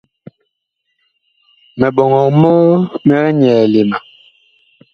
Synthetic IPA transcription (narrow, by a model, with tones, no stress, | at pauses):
mɛ˨ɓɔ˨ŋɔ˨mɔ˦mɛ˦ɣɛ˦ɲɛː˨le˨ma˨